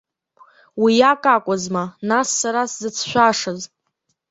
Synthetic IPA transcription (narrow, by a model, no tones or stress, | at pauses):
wijakʼakʷʼʊzmanasːaɾaszɨt͡sʰʃʷᶣaʂɨz